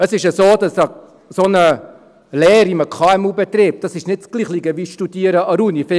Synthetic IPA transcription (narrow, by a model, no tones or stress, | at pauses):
əsɪʃəsoːd̥ɑsə | sonə | lɛːɾiməkʰɑːɛmuːbɛt̪rip̚d̥ɑsɪʃnɪt̚t͡sɡ̥liːχliɡəʋiːsʃtudiːəɾəɑɾunifɪ